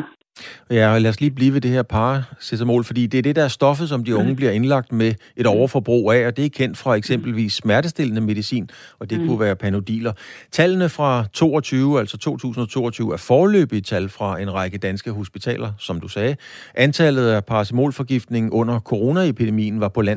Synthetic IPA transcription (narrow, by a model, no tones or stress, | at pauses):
jælæsliːb̥liːʋe̝d̥e̝he̝ɐpʰɑ̈ːsesəmo̰ːlfɒ̽d̥ḭːd̥e̝æɐd̥e̝d̥ɑ̈æɐsd̥ɒ̽fəð̩ˠsɒ̽md̥iɔ̽ŋəb̥liɐe̝nlɑ̈ɡ̥̚d̥meʔe̝ɾ̥ɒʊɐfɒ̽b̥ʁo̝̰ːæɒ̽d̥e̝ækʰen̰d̥fʁɑ̈eɡ̥sem̰b̥l̩ʋḭːsːmæɐɾ̥əsd̥e̝l̰ənəme̝ðˠisḭːn | ɒ̽d̥e̝kʰuʋæːɐpʰæno̝d̥ḭːlɐt͡sʰælnəfʁɑ̈t͡sʰo̝̰ːɒ̽t͡sʰyːʊæl̰sɒt͡sʰo̝̰ːt͡sʰṵːsn̩ɒ̽t͡sʰo̝̰ːɒt͡sʰyːʊæɐfɒːlø̰ːb̥it͡sʰælfʁɑ̈e̝nʁɑ̈ɪɡ̥əd̥ænsɡ̥əɦo̝sb̥it͡sʰɛ̰ːlɐsɒ̽md̥usɛːʔænt͡sʰælð̞̩ˠæpʰɑ̈ːsemo̰ːlfɒ̽ɡ̥ifd̥ne̝ŋn̩ʔɔ̽n̰ɐkʰo̝ʁo̝ːnæepʰid̥e̝mḭːn̩ʋɑ̈pʰɒ̽læn̰